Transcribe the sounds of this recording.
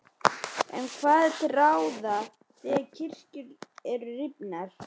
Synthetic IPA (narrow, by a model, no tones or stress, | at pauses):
ɛ̰nkʰvaːðɛt̪rawða | θɛacʰɪr̥cʏɾɛɾʏrɪpnaɾ̥